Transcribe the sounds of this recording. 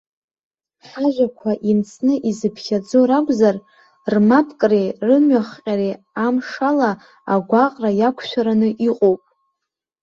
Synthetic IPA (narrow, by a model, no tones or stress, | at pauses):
ħaʒʷakʷʰaʔimt͡sʰnɨʔizɨpʰχʲad͡zoɾakʷʼzar | rmapʰkʼrerɨmɥaχqʲʼaɾe | amʂala | aɡʷaqʼrajakʷʰʃʷᶣaɾanɨʔiqʼowpʼ